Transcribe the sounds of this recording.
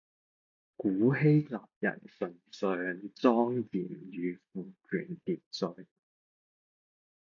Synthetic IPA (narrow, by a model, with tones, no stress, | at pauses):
kuː˨˥he˥jlaː˨p̚jɐ̰˨˩nsɵ˨˩nsœː˨ŋt͡sɔː˥ŋjiː˨˩mjyː˨˧fuː˨˩kʰyː˨˩nt̪iː˨t̚t͡sɵ˨˧ɥ